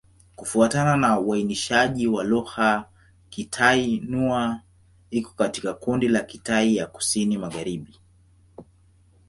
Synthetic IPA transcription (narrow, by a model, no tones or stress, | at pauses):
kufuatananauainiʃaʄiwaluha | kitʰainua | ikɔ̥katikakundilakitaijaku̥sinimaɣaɾiɓi